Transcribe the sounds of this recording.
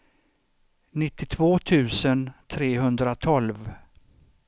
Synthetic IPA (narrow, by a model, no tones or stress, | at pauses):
nɪt̪ːɪt̪ʰvoːt̪ʰʉ̟ːsənt̪ʰɾeːɦɵnd̪ɾat̪ʰɔlv